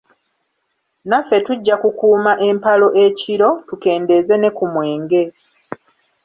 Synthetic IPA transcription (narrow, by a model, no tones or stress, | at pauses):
nafːe̞tuɟːakukuːmaʔe̞mpalo̞ʔe̞cʰiɾo̞tuke̞ːnde̞ze̞ne̞kumwe̞ːŋɡe̞